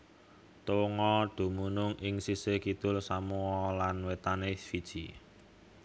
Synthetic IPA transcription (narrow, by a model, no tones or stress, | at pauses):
t̪oŋɔd̪̥o̤munʊŋʔɪŋsisekit̪ʊlsamuwɔlanwet̪anefid̥ʒ̥i